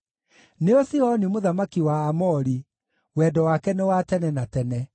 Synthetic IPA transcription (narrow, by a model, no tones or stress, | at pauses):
neosiɔnimoðamakiwaːmɔɾi | wɛdɔwakɛnewatɛnɛnatɛnɛ